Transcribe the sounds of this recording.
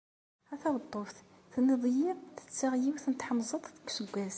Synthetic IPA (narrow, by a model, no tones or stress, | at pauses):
hæθæwt̪ˤːofθ | θnəðˤjiɾθə̥t͡sːaʁjiwθnət̪ħɑmzˤɑt̪ˤːə̥kʷːsəɡʷːæz